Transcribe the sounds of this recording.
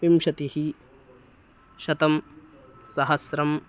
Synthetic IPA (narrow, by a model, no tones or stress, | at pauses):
ʋimʃɐt̪ihi | ʃɐt̪ɐm | sɐɦɐsɾɐm